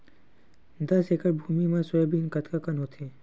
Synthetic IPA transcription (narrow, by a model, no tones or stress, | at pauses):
d̪əsekəɾbʱumimãsɔjobinkət̪ʰkakanɦot̪ʰe